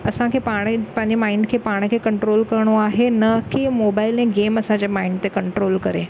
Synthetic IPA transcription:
ɐsãkʰeːpaːɽ̃pãɦɲd͡ʑemaːɪɳɖkʰeːpaːɽ̃kʰeːkɐ̃ɳʈɾoːlkɐɾɽ̃oaːɦenɐkimoːbaːɪlɛ̃ɡeːmɐsãɲd͡ʑemaːiɳɖ̚t̪ekɐɳʈɾoːlkɐɾe

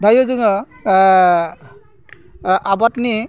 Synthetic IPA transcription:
dʱajɔzɯŋɔ | abatni

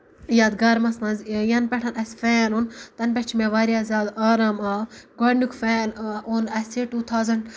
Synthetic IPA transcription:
jaːd̪ɡɐɾmɐsmɐnzjɐnpɛʈʰɐnɐsfɛːnunt̪ɐnp̬ɛt͡ʃʰmeʋaːɾjaːzʲjaːd̪aːɾaːmaːɡonukfɛːnunɐseʈuːt̪ʰaːwzɐɳɖ

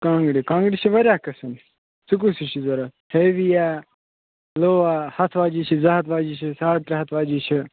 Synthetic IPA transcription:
kãːŋɡɽikãːŋɡɽit͡ʃʰiʋɐɾʲjaːkɐsɐn | suk̬usit͡ʃʰizɐɾa | heːʋijaː | loːʋaːhɐt̪ʰʋaːd͡ʒiːt͡ʃʰizɐɦɐt̪ʰʋaːd͡ʒiːt͡ʃʰisaːɽʈ̪ɾɐɦɐt̪ʰʋaːd͡ʒiːt͡ʃʰi

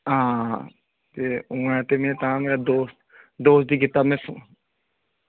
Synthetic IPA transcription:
ɦãː | t̪eːũːãt̪emẽːt̪aãŋeɾad̪oːst̪ | d̪oːst̪̚d̪iːɡɪt̪aːmẽsũː

